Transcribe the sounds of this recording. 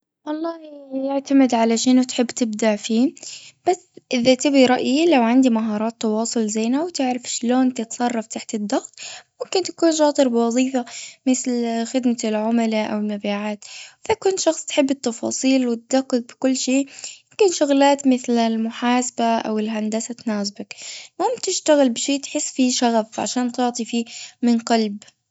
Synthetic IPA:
wɑlˤːɑːhjɪʕt̪amɪd̪ʕalaʃɪnʊt̪ħɪbːt̪ɪbd̪aʕfiːb̥asʔɪðat̪ɪbiɾˤɑʔjilawʕand̪imaɦɑːɾˤɑːt̪ːɑwɑːsˤʊlzajːnawt̪ɪʕɾɪfʃloːnt̪ɪt̪sˤɑrˤːɑft̪aħt̪ɪd̪ːɑɣt̪ˤmʊmkɪnt̪ḁkuːnʃɑːt̪ˤɨɾbɪwɑðˤiːfamɪθlxɪd̪malʕʊmalaʔa̰wɪlmabiːʕaːt̪fakuːnʃɑxsˤt̪ħɪbːɪt̪ːɑfɑ̰ːsˤiːlwɪt̪̚d̪aqːʊɡ̚bɪkʊlːʃeːmʊmkɪnʃʊɣlaːt̪mɪθlɪlmʊħaːsabaʔa̰wɪlɦand̪asat̪naːsbakmʊmt̪ɪʃt̪aɣɪlbɪʃeːt̪ħɪsːfiʃaɣafʕa̰ʃaːnt̪ʊʕt̪ˤifiːmɪnqɑlb

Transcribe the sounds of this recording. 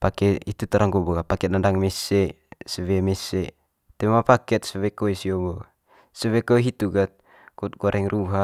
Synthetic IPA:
pakɛit̪ut̪aɾʔaŋɡoboɡapakɛt̪̚nandaŋmɛsɛ | səwɛmɛsɛ | t̪ɛmapakɛt̪̚səwɛkoisioboɡa | səwɛkoɦit̪uɡat̪̚ | kut̪̚ɡɔɾʔɛŋrʔuɦa

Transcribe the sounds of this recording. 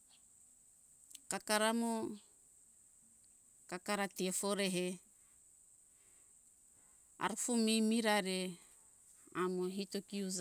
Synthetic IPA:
kakaɾamo | kakaɾatiefoɾeɦe | a̰ɾfumimiɾaɾe | amoɦitokiuza

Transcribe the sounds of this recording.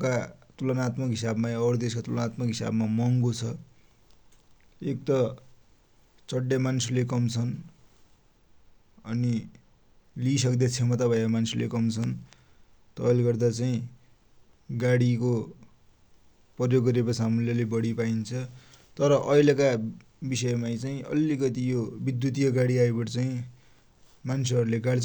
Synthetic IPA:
kat̪ulʌnat̪mʌkɦisabmaʌɾd̪eskat̪ulʌnat̪mʌkɦisa̰bmamʌŋɡot͡sʰʌ | ek̚t̪ʌ | t͡sʌɖjamanslek̬ʌmt͡sʰʌn | ʌni | lisʌkd̪at͡sʰemʌt̪abʱʌekamansilḛkʌmt͡sʰʌn | t̪ʌʌleɡʌrd̪at͡saĩ | ɡaɽiko | pʌrjoɡːʌɾekasʰaɦamuljʌlebʌɽipaint͡sʰʌ | t̪ʌɾʌʔʌjleka | bisʌjmajt͡saĩʔʌ̰likʌt̪ijobid̪jut̪ijʌɡaɽiaebʌʈt͡saĩ | manseʌɾuleɡaɽi

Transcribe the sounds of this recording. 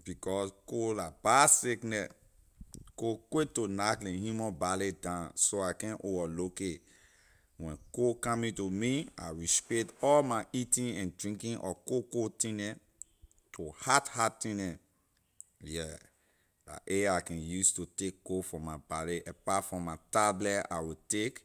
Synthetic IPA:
b̥ikɔskolab̥aseknɛ | kokwetonaklɛ̃hjumɔ̃baledãnsoakɛ̃nʔovaloke | wɛ̃nkokãmĩtumia̰ɹispɛtɔlmaʔitĩnɛ̃ndɹĩŋkĩnʔɔ̰kokotĩnɛ | tʰohathatĩnɛ | jɛ | la̰ʔeakɛ̃njustutekːofɔ̃mabaleʔɛpatfɹɔ̃matablɛa̰ɪwitek

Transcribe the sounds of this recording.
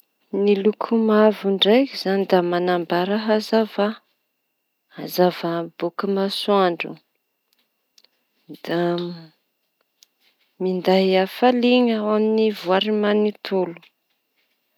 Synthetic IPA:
nilukʰumavuɳɖ͡ʐajkiz̥anid̪amanambaɾaɦazava | azavabukəmasuaɳɖ͡ʐṵ | d̪̥a | mind̪ajafaliŋəwaminivuaɾimanit̪ulu̥

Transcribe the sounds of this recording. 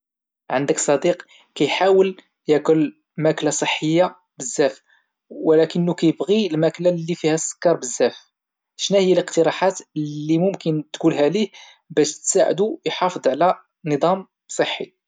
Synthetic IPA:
ʕənd̪əksˤɑd̪iq | kæjħawəl | jækʊl | mæklasˤəħːəjːa | bəzːæf | wlækənːukæjəbɣilmæklalːifihæsːə̥kːɑɾˤbəzːæf | ʃnæhəjːæləqt̪əɾˤɑħat̪ːimʊmkənt̪kulɦælih | bæʃt̪saʕ̰d̪ujħɑfəd̪ˤʕlæ | nəd̪ˤɑm | sˤəħːi

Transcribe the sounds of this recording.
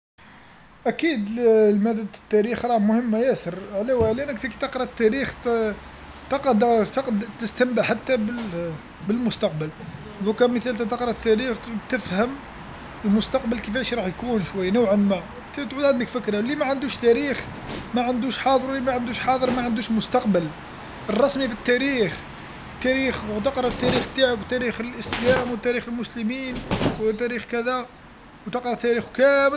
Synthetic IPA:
ʔækid̪lmæd̪əd̪t̪ːæɾixɾˤɑmʊhəmːajæsəɾʕlæwæʕliʔænəkt̪ækit̪əqɾˤɑt̪ːæɾix | t̪ɑqɑd̪t̪ɑqd̪t̪əst̪əmbaħat̪ːæbə | bəlmʊst̪ɑq̚bəl | ðukæmət̪ælt̪æt̪əqɾˤɑt̪ːæɾixt̪əfhəm | əlmʊst̪ɑq̚bəlkəfæʃɾˤɑħjkunʃwæjːnʊwʕənmæ | t̪t̪ʕud̪ʕənd̪d̪əkfəkɾɑlimæʕənd̪uʃt̪æɾix | mæʕənd̪uʃħɑd̪ˤəɾwlːimæʕənd̪uʃħɑd̪ˤəɾˤmæʕənd̪uʃmʊst̪ɑqbəl | ərˤːɑsmifit̪ːæɾix | t̪ːæɾixwt̪ɑqɾˤɑt̪ːæɾixt̪ːaʕit̪ːæɾixəlʔəslæmwət̪ːæɾixəlmʊsləminwt̪æɾixkæd̪æ | wt̪əqɾˤɑt̪ːæɾixwkæməl

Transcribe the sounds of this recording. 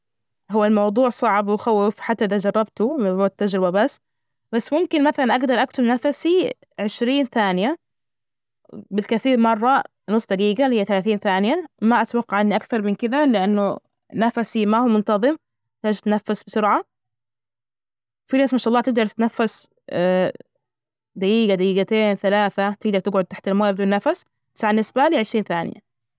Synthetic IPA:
ɦʊwːalmɑwd̪ˤuːʕsˤɑʕbwɪxawːɪfħat̪ːaʔɪðad͡ʒɑrˤːɑbt̪ʊmɪbʊd̪̚t̪ːad͡ʒɾɪbabasː | basːmʊmkɪnmaθalanʔaɡd̪ɑɾˤʔakt̪ʊbnafasi | ʕɪʃɾiːnθaːnɪja | bɪlkaθiːɾmɑrˤːɑ | nʊsˤːd̪ɑɡiːɡalhɪjːaθalaːθiːnθaːnɪjamaʔat̪wɑqːɑʕɪnːiʔakθɑɾˤmɪnkɪðalɪʔanːʊ | nafasimahuːmʊnt̪ɑðˤɨm | t̪ːd͡ʒt̪nafːasbsʊɾʕa | wfinaːsmanʃɑʔɑlˤːɑːt̪ɪɡ̚d̪ɑɾˤtt̪nafːas | d̪ajiːɡad̪ajiːɡat̪eːnθalaːθat̪ɪɡd̪ɑɾˤt̪ɪɡʕʊd̪̚t̪aħt̪ɪlmoːjbɪd̪uːnːafas | b̥asʕalanːɪsbaliːʕɪʃɾiːnθaːnɪ̰ja̰

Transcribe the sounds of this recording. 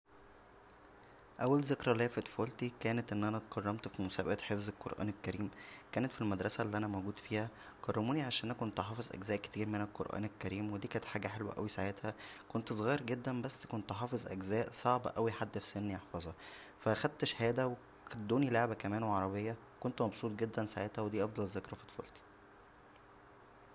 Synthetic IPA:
ʔæwːælzekɾˤɑlæːfet̪folt̪ikæːnet̪ʔenːʔænæt̪qɑrˤːɑmt̪fimosæːbæʔæt̪ħefzelqo̰ɾˤʔæ̰ːnelkæɾiːmkæːnet̪filmæd̪ɾˤɑsælːiʔænæmowɡuːd̪fiːhæ | qɑrˤːɑmuːniʕaʃænʔæʔækont̪ħɑːfezˤʔæ̰ɡzæːʔke̥t̪ʰiːɾmenelqo̰ɾʔæ̰ːnelkæɾiːmwed̪iːkæːnet̪ħaːɡæħelwæ̰ʔæ̰wisaʕjet̪hækont̪sˤɣiːɾɡed̪ːænbæsːkont̪ħɑːfezˤʔæ̰ɡzæːʔsˤɑʕbʔæwiħad̪ːfi̥senːiʔɑħfɑzˤɑ | fæxæd̪̚t̪eʃhæːd̪æwe | kæd̪ːuːnileʕbækæmæːnweʕɑɾˤɑbejːɑ | kont̪mɑbsˤuːt̪̚ɡed̪ːænsaʕet̪hæwed̪iːʔɑfd̪ˤɑlzːekɾˤɑfit̪fɑ̰ːlt̪i̥

